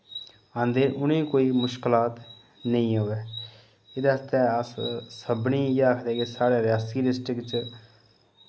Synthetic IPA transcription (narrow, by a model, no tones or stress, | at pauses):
ə̃nd̪eːɾʔʊnĩːkoːiːmʊʃklaːt̪ | nəĩːɦoːʋɛː | ɪd̪eːəst̪eəssəbniːjeaːkʰd̪ɛːkesaːɽeːɾɪjaːsiːɖɪsʈɾɪkt͡ʃ